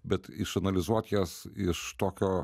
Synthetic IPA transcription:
bʲɛt̪ɪʃɐnɐlʲɪzuɔt̪ʲjɛːsɪʃt̪oːkʲoː

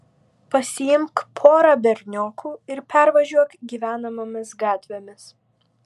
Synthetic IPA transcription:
pɐsʲɪjɪmkpʰoːɾɐbʲɛɾʲnʲoːkʰuːɪɾpʲæˑɾʋɐʒʲuɔkɡʲiːʋʲæːnɐmɐmʲɪsɡɑːt̪ʲʋʲemʲɪs

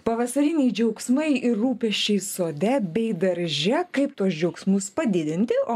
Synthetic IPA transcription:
pɐʋɐsɐɾʲɪnʲɛɪd͡ʒʲɛʊksmɐɪɪːuːpʲɛʃʲt͡ʃʲɛɪsoːd̪ʲɛbʲɛɪd̪ɐɾʲʒʲɛkɐɪpt̪uɔsd͡ʒʲɛʊksmʊspɐd̪ʲɪd̪ʲɪnʲt̪ʲɪoː

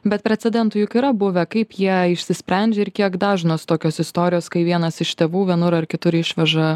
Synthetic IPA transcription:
bʲɛt̪̚pʲɾʲɛt̪sʲɛd̪ʲɛnt̪ʊjʊkiːɾɐbʊʋʲɛkɐɪpjiɛɪʃʲsʲɪsʲpʲɾʲɛnʲd͡ʒʲeɪɾkʲiɛkd̪ɑːʒʲɪnoːst̪oːkʲoːsɪst̪oːɾʲɪjoːskɐɪʋʲiɛnɐsɪʃt̪ʲeːʋuːʋʲiɛnʊɾɐrkʲɪt̪ʊɾɪʃʲʋʲɛʒɐ

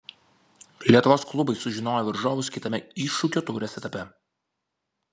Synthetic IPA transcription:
lʲiɛt̪ʊʋoːsklˠʊbɐɪsʊʒʲɪnoːjɛːʋʲɐɾʒoːʋʊskʲɪt̪ɐmʲɛɪˑʃʊkʲoːt̪ɔːɾʲɛsʲɛt̪ɐpʲɛ

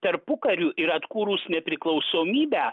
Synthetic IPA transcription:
t̪ɐɾpʊkɐɾʲuːʔɪɾɐt̪kuːɾuːsnʲɛpʲɾʲɪklˠɒʊsoːmʲiːbʲæː

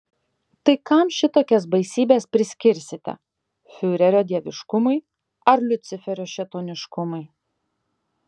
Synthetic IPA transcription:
t̪ɐɪkɐmʃʲɪt̪oːkʲɛsbɐɪsʲiːbʲeːspʲɾʲɪsʲkʲɪɾʲsʲɪt̪ʲɛ̰ | fʲʊɾʲɛɾʲoːd̪ʲiɛʋʲɪʃkʊmɐɪ | ɐɾlʲʊt̪sʲɪfʲɛɾʲoːʃʲɛt̪oːnʲɪʃkʊmɐɪ

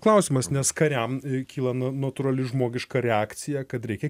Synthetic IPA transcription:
klˠɐʊsʲiːmɐsnʲɛskɐɾʲɛmkʲiːlˠɐnɐnɐt̪ʊɾɐlʲɪʒmoːɡʲɪʃkɐɾʲɛaːkt̪sʲɪjækɐt̪ɾʲɛɪkʲɛ

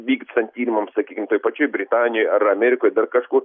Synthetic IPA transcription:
ʋʲiːkt̪sɐnʲt̪ʲiːlʲmɐmsɐkʲiːkʲɪmt̪oːjpɐt͡ʃʲoːjbʲɾʲɪt̪aːnʲɪjojɐɾɐmʲɛɾʲɪkoːjd̪ɐrkɐʃkuːr

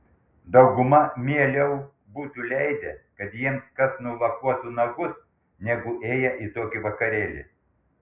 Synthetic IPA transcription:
d̪ɐʊɡʊmɐmʲiɛlʲɛʊ | buːt̪ulʲɛɪd̪ʲɛkɐt̪jiɛmskɐsnulˠɐkuɔt̪unɐɡʊs | nʲɛɡʊʔeːjɛʔit̪oːkʲɪʋɐkɐɾʲeːlʲɪ̰

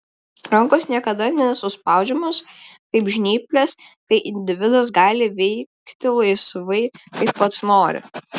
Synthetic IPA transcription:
ɾɐŋkosnʲiɛkɐd̪ɐnʲɛsʊspɑˑʊd͡ʒʲɛmʊskɐɪpʒʲnʲiːpʲlʲɛs | kɐɪʔɪnʲd̪ʲɪʋʲɪd̪ɐs̬ɡɑːlʲɪʋʲɛɪkt̪ʲɪlˠɐɪsʋɐɪkɐɪppɐt̪snoːɾʲɪ̰

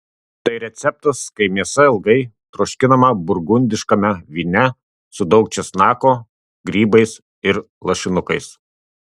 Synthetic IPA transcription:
t̪ɐɪɾʲɛt̪sʲɛp̚t̪ɐskɐɪmʲiɛsɐɪlˠɡɐɪ | t̪ɾɔʃʲkʲɪnɐmɐbʊɾɡʊnʲd̪ʲɪʃkɐmʲɛʋʲiːnʲɛ | sʊd̪ɒʊk̚t͡ʃʲɛsnɑːkoː | ɡɾʲiːbɐɪs | ɪɾ | lˠɐʃʲɪnʊkɐɪs

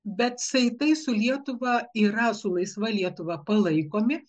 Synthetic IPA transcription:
bʲɛt̪sɐɪt̪ɐɪsʊlʲiɛt̪ʊʋɐiːɾɐsʊlˠɐɪsʋɐlʲiɛt̪ʊʋɐpɐlˠɐɪkoːmʲɪ

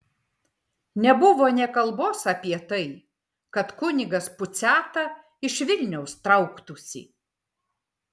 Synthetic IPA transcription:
nʲɛbʊʋoːnʲɛkɐlˠboːsɐpʲiɛt̪ɐɪ | kɐt̪kʊnʲɪɡɐspʊt̪sʲæːt̪ɐ | ɪʃʋʲɪlʲnʲɛʊst̪ɾɐʊkt̪ʊsʲḭː

